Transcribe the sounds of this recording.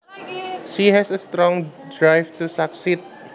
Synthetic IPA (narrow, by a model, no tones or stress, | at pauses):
sihɛsɐst̪ɾɔ̃ŋd̪ɹajvt̪usaksit̪̚